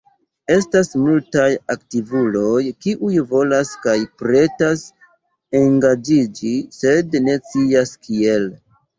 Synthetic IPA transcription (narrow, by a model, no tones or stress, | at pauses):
e̞stasmultajaktivulo̞jkiʔujvo̞laskajpɾe̞tas | e̞ŋɡad͡ʒid͡ʒise̞dne̞t͡siaskʰie̞l